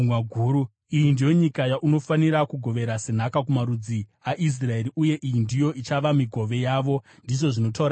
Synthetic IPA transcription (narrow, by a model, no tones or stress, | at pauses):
waɡʱuːɾu | ijindijo̞ɲikajaʔuno̞faniɾakuɡʱo̞ʋe̞ɾase̞n̤akakumaɾud͡ziaʔis̬rae̞ɾiʔuje̞ʔijindijo̞ʔit͡ʃaʋamiɡʱo̞ʋe̞jaʋo̞ | ndiʐo̞ʐino̞taːɾa